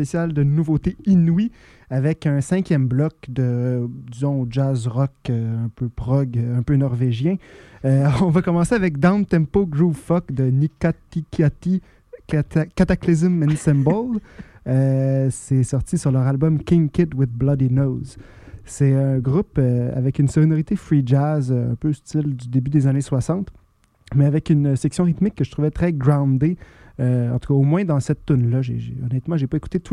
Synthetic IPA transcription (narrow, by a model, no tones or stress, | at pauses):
esjald̪ənuvot̪einwi | avɛkɛ̃sɛ̃kʲjɛmblɔkd̪əd̪izɔ̃od͡ʒazʁɔkøɛ̃pøpʁɔɡɛ̃pønɔʁveʒjɛ̃ | ɔ̃vakɔmɑ̃seavɛk̚d̪ãʊnt̪ɛ̃mpoɡɹufɔk̚d̪ənikat̪ikat̪i | kat̪aklizəmɛ̃nsɛ̃mbɔl | sɛsɔʁt̪isyʁlœʁalbɔmkʲɪ̃ŋkʲɪt̪wɪðblad̪inoz | sɛə̃ɡʁupøa̰vɛkynsɔminoʁit̪efʁid͡ʒazøɛ̰̃pøst͡sɪld̪yd̪ebyd̪ezaneswasɑ̃t̪ | mɛavɛkynsɛksjɔ̃ʁit̪mɪkːəʒə̥t̪ʁuvɛt̪χɛɡʁãd̪e | øɑ̃t̪u̥kaomwɛ̃d̪ɑ̃sɛt̪ːʊnlaʒeʒḛɔnɛt̪mɑ̃ʒepaeku̥t̪et̪u